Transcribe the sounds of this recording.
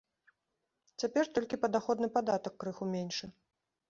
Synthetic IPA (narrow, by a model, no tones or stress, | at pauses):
t͡sʲapʲɛrt̪ɔlʲkʲipɐd̪axɔd̪nɨpad̪at̪ɐkːɾɨxumʲenʲʂɨ